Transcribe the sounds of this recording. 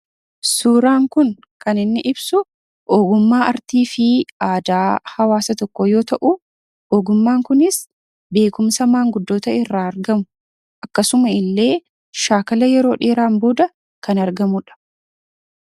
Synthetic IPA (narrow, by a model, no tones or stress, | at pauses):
suːɾaːŋkʊn | kɐnɪnːɪʔɪbsʊ | ʔoːɡʊmːaːɐɾt̪iːfɪaːd̪aːhɐwaːsɐt̪ɔkːɔjo̞ːt̪ɐʔʊ | oːɡʊmːaːŋkʊnɪs | be̞ːkʊmsɐmaːŋɡʊd̪ːo̞ːt̪ɐɪrːaːɐɾɡɐmʊ | ʔɐkːɐsʊmɐɪlːe̞ː | ʃaːkɐlɐjɛɾo̞ːᶑeːɾaːmboːd̪ɐ | kɐnɐɾɡɐmʊᶑɐ̥